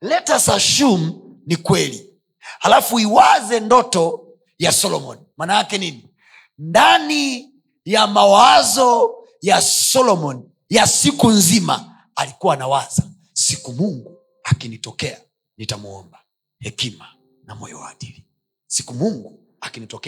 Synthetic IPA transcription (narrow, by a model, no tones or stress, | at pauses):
lɛtasaʃum̩nikwɛli | halafuiwazɛndɔtɔ | jasɔlɔmɔ̰nimaːnajakɛnini | ndani | jamawazɔ | jasɔlɔmɔni | jasikunzima̰ | alikuwaːnawaza | sikumuŋɡu | akinitɔkɛa | nitamuɔ̰mba | hɛkima | namɔ̰jɔ̰waɗili | si̥kumuŋɡu | akinitɔkɛ